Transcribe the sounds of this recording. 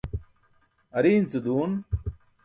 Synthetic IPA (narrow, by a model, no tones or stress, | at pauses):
ɐɾiːnt͡sud̪uːn